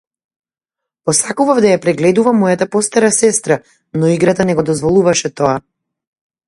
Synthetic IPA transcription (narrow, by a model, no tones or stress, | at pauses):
pɔsakuvavd̪ajapɾɛɡlɛd̪uvamɔjat̪apɔst̪aɾasɛst̪ɾa | nɔiɡɾat̪anɛɡɔd̪ɔzvɔlˠuvaʃɛt̪ɔa